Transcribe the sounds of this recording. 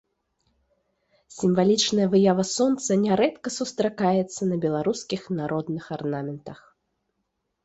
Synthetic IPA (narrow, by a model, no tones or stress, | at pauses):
sʲimvalʲit͡ʂnɐjɐvɨjavɐsɔnt̪sɐnʲɛɾɛt̪kɐsust̪ɾakajɛt̪sːɐnɐbʲɛlˠaɾuskʲixnaɾʔɔd̪nɨxarnamʲɛnt̪ɐx